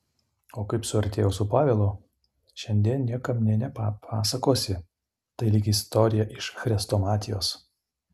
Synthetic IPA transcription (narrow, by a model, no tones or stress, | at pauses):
oːkɐɪpsʊɐɾʲt̪ʲeːjɛʊːsʊpɑːʋʲeːlˠo | ʃʲɛnʲd̪ʲiɛnnʲiɛkɐmnʲɛnʲɛpɑpʰɑːsɐkoːsʲɪ | t̪ɐɪlʲiɡʲɪɪst̪ɔɾʲɪjɛʔɪʃxɾʲɛst̪oːmɑːt̪ʲɪjoːs